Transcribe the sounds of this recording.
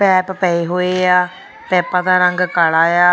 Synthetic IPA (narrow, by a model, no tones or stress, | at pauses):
pɛːppɛeːɦoːeːaː | pɛːpãːd̪aːɾəŋɡkaɭaːjaː